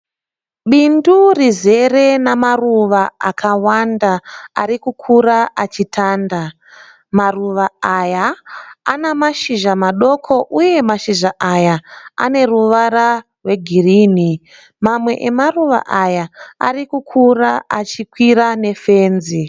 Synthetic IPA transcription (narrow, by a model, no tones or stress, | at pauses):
ɓindurize̞re̞namaruʋaa̰kʰawandaa̰ɾikukʰuɾaʔat͡ʃitʰaːnda | maruʋaaːjaː | namaʃiʒamaɗo̞kʰo̞ʔuje̞maʃiʒaʔajaa̰ne̞ruʋara | rwe̞ɡʱiriːni | mamwe̞̰ʔemaruʋa̰ʔajaa̰rikukʰuraat͡ʃikwirane̞fe̞ːnzi